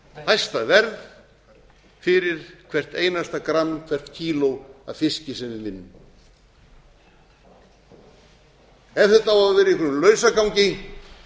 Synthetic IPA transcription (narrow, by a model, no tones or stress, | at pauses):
hajst̪avɛɾð | fɪɾɪɾ̥kʰvɛr̥t̪eːjnast̪akɾanːkʰvɛr̥t̪cʰiːlowa̰ðfɪscɪsɛnɪvɪnːʏm | ɛvθɛht̪ːawaðvɛɾɪikʰʏɾmlœːɥsakawɲcɪ